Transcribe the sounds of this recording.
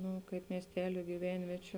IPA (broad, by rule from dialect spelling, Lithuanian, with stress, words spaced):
ˈnʊ kɐɪp mʲiɛsʲˈtʲæːlʲʊ ɡʲɪˈʋʲɛnʲʋʲiɛt͡ʃʲʊ